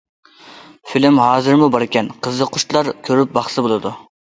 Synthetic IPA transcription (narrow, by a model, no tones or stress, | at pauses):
filɪmɦɑːzɨɾmubɑɾɪkʲɛnqʰəzəqʰʊʃt̪lˠɑɾkʲʰøɾyp̚bɑχsɨbolˠɨd̪u